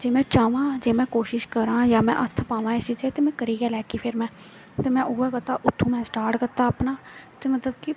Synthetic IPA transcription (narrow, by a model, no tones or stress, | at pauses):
d͡ʒeːmɛ̃ːt͡ʃaːʋãːd͡ʒeːmɛ̃ːkoːʃɪʃkəɾãːjaːmɛ̃ːʔət̪ʰːpaːʋãːesit͡ʃet̪eːmɛ̃ːkəɾiːɡɛːlɛːkiːpʰɪɾmɛ̃ː | t̪eːmɛ̃ːʔʊːɛːkət̪ːaːʔʊt̪ʰːũːmɛ̃ːsʈaːɾʈkət̪ːaːpnaːt̪eːmət̪ləb̚kɪ